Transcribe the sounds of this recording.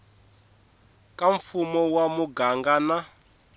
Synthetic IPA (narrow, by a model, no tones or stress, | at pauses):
kʼaɱfumɔwamuɡaŋɡana